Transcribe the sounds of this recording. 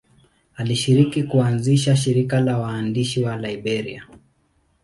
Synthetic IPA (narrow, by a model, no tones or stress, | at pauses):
aliʃiɾikikuanziʃaʃiɾikalawaːndiʃiwalaiɓɛɾḭa